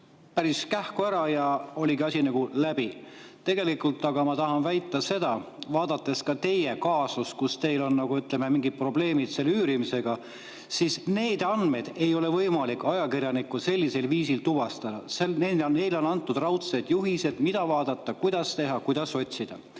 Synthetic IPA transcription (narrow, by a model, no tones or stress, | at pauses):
pæɾiskæhkuæɾɑjɑo̞lʲiɡiɑsʲinɑɡ̥ulæb̥it̪e̞ɡe̞likːˑult̪ːˑɑɡ̥ɑmɑt̪ɑɦɑnvæjt̪ˑːɑse̞d̪̥ɑ | vɑːd̪̥ɑt̪ːˑe̞skɑt̪e̞jekɑːsuskust̪e̞jlo̞nnɑɡ̥uyt̪ˑleme̞miŋɡid̪̥̚pro̞ble̞ːmid̪̥se̞lyːɾimise̞ɡ̥ɑ | sisne̞ːd̪̥ɑnd̪me̞d̪̥e̞jo̞le̞vɤjmɑlikːˑɑjɑkirjɑnikːˑuse̞lʲːise̞lviːsilt̪uvɑst̪ɑd̪̥ɑ̰senene̞jlo̞nɑnt̪ːˑud̪rɑwt̪se̞d̪̥juɦise̞d̪̥mid̪̥ɑvɑːd̪̥ɑt̪ˑːɑkujd̪̥ɑst̪e̞ɦɑkujd̪̥ɑso̞t̪ʲsid̪̥ɑ